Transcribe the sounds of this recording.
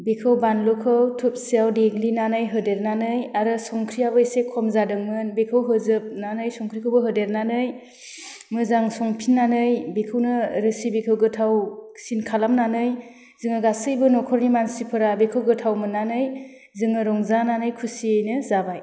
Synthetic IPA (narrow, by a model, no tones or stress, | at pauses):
bikʰɯwbanlɔkʰɯwtʰup̚siawdeɡlinanɯjɦɯdeɾnanɯjaɾɯsɔŋkʰɾijabɯisekʰːɔmzadɯŋmɯnbekʰɯwɦɯzɯp̚nanɯjsɔŋkʰɾikʰɯwbɯɦɯdeɾnanɯj | mɯzaŋsɔŋpʰinːanɯjbikʰɯwnɯɾɯsibikʰɯwɡɯtʰawsinkʰalamnanɯj | zɯŋɯɡasɯjbɯnɔkʰɔɾnimansipʰɯɾabekʰɯwɡɯtʰawmɯnːanɯj | zɯŋɯɾɔŋzananɯjkʰusiɯjnɯzabaj